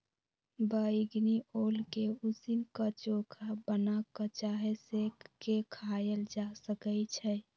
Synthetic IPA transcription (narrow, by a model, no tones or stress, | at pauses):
bəiɡniolkeusinkət͡ʃokʰabənakət͡ʃaɦesekːekʰajeld͡ʒasəkət͡ʃʰɛ